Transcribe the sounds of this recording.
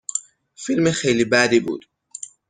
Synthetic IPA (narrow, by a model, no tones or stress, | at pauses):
filmexejlibæd̪iːbṵːd̪̥